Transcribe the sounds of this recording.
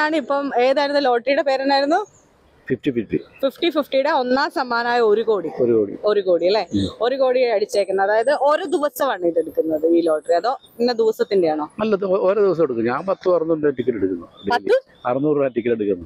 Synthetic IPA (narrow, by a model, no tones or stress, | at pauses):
aːɳɨipːɐme̞ːðaːjiɾunːulo̞ːʈɐrijuɽe̞pe̞ːɾɐnaːjɾunːu | fifʈififʈififʈififʈijɽeo̞nːaːsɐmːaːnaːjɐo̞ɾuko̞ːɽioɾuko̰ːɽḭo̞ɾuko̞ːɽiɐlːeo̞ɾuko̞ːɽijojɐɽit͡ɕːeːkʲːunːɐðaːjɐðɨʔo̞ɾud̪iʋɐsɐʋaːɳit̪ːeɽukːunːɐðɨiːlo̞ːʈɐriɐðo̞ːiːed̪iʋɐsɐt̪ːindejaːɳo̞ːnɐlːɐoɾoːd̪iʋɐs̬ɐmeɽukːuɲaːmpɐt̪ːɨɐrnːunɖɐʈːikʲːileɽukːunːɐɐɽpɐɐːɨ | ɐrɐnuːraʈːikʲːɐleɽukːunːɐ